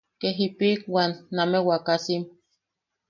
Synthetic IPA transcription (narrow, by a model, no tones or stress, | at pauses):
keɦipikwanːamewakasim